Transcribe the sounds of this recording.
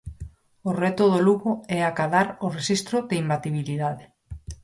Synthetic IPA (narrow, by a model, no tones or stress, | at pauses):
orɛt̪ʊðoluɣʊɛakaðaɾʊreʃist̪ɾʊðeimbat̪iβ̞iliðaðɪ